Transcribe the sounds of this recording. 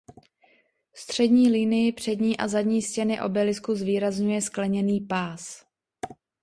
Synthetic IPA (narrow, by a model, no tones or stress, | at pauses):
st̪r̝̥ɛdɲiːlinɪjɪpr̝̥ɛdɲiːʔa̰zadɲiːscɛnɪʔo̞̰bɛlɪskuzviːɾazɲujɛsklɛɲɛniːpaːs